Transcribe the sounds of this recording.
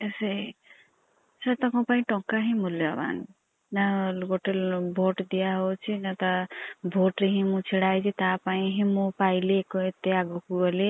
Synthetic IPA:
esej | sat̪akɔ̃paĩʈɔŋkaɦĩmuljba̰n | nalɡoʈelbʱoʈd̪ijaɦot͡ʃʰinat̪abʱoʈɾiɦĩmũt͡sʰiɽajd͡ʒit̪apaĩɦĩmõpajlekoet̪eaɡokuɔle

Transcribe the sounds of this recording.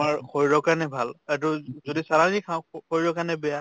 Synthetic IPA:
maɹkʰɔjɹɔkanɛbʱalat̬uzodisaɹazikʰakʰɔjɹɔkanɛbɛja

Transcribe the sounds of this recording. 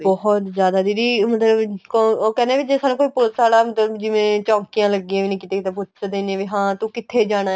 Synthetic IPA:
bɔɦɔt̪zjaːd̪aːd̪iːd̪iːmət̪ləbkooːkɛːneːʋiːd͡ʒesaːnũːkoːiːpʊlsaːlaːmət̪ləbd͡ʒɪʋẽːt͡ʃɔ̃ːŋkijãːləɡːiãːʋiːnĩːkɪt̪eːkɪt̪epʊt͡ʃd̪eːnãːʋiːɦãːt̪ũːkɪt̪ʰeːd͡ʒaːɽ̃aː

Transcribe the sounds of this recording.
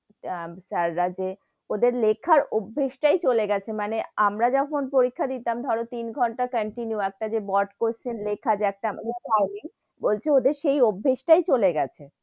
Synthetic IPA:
saɾːad͡ʑe | od̪eɾlekʰːaɾobʱːeʃʈajt͡ɕoleɡɛt͡ɕʰemaneamɾad͡ʑɔkʰonpoɾikʰːad̪it̪amd̪ʱɔɾot̪inɡʱɔɳʈakəɳʈinjuɛk̚ʈad͡ʑebɔʈkoɾt͡ɕʰenlekʰːad͡ʑeɛk̚ʈaamad̪eʈajmiŋ | bolt͡ɕʰeod̪eɾʃejobʱːeʃʈajt͡ɕoleɡɛt͡ɕʰe

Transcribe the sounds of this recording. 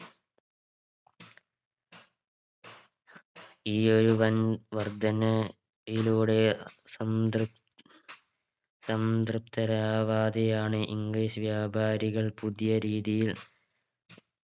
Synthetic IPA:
iːoɾuʋɐnʋɐrd̪ʱɐnɐ | iluːɽemd̪ | sɐmd̪rɨpt̪ɐɾaːʋaːd̪ɐjaːɳɨʔḭŋɡliːʂʋjaːbʱaːɾiɣɐɭpuðijɐɾiːðijil

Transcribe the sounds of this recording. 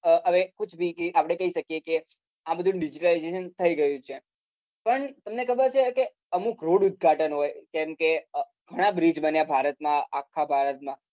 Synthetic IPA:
əəʋekʊt͡ʃʰbʱiapɽ̃ekəɦiʃəkjeke | ãbəd̪ʱũɖid͡ʒiʈəlajzeʃənt̪ʰəiɡəjũt͡ʃʰe | pəɳt̪əmnekʰəbəɾt͡ʃʰeke | əmukɾoɽʊd̪̚ɡʱaʈənɦojkɛ̃mke | ɡʱəɽ̃abɾid͡ʒbənjabʱaɾət̪mãakʰːabʱaɾət̪̚mã

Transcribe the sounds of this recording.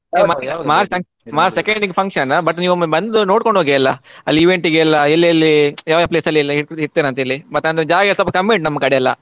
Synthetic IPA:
emaːmaːɾɐ | maːɾsekɐɳɖiŋɡpʰɐŋkʂɐnɐbɐʈniːʋumɐbɐnd̪unoːɽkoɳɖoːɡɛɐlːɐɐlːiiʋeɳʈiɡeɐlːɐelːiɐlːijaːʋjapleːsɐlːilːɐiiɾt̪eːnɐnt̪ɐilːimɐt̪ːɐːnd̪ɾed͡ʒaːɡɐsɐpːɐkɐmːeɳʈnɐmːɐkɐɽɛɐlːɐ̰

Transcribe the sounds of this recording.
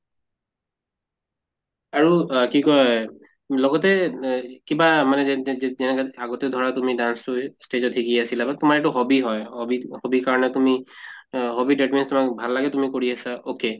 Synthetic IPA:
aɹukikɔj | lɔɡɔtɛkibamanɛɛnɛkaaɡɔtɛdʱɔɹatumidansustezɔtʰikiasilabatumaɹeʈuɦobiɦɔjhobihobikaɹɔnɛtumi | ɦobideʈminstumak̚bʱalːaɡɛtumikoɹiasaoke

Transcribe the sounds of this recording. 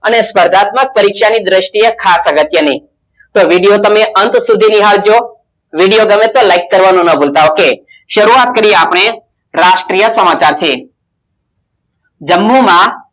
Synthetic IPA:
ənespəɾd̪ʱat̪mək̚pəɾikʃanid̪ɾəʃʈijəkʰasaɡət̪jənəɦĩ | t̪oʋiɽijot̪əmeənt̪sud̪ʱiniɦald͡ʒo | ʋiɽijoɡəmet̪olaikːəɾʋanũnəbolt̪aoke | ʃəɾuat̪̚kəɾijeapɽ̃e | ɾaʃʈɾijəsəmat͡ʃaɾt̪ʰie | d͡ʒəmːumã

